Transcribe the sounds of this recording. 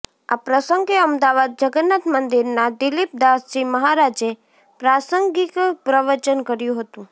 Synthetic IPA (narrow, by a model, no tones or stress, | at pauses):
a̰pɾəsəŋɡeəmd̪aʋad̪̚d͡ʒəɡənat̪mənd̪iɾnad̪ɪlip̚d̪asiməɦaɾad͡ʒe | pɾasəŋɡikpɾəʋəɾt͡ʃənkəɾjũɦət̪ũ